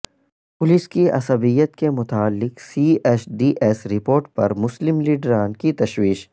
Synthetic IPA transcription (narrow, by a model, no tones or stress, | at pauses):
pʊlɪskiʔɐ̰səbijət̪kemʊt̪aːlːɪqsiʔesɖiːʔɛsɾɪpoːɾʈ̚pɐ̰ɾmʊslɪmliːɖɾaːnkit̪ɐʃwiːʃ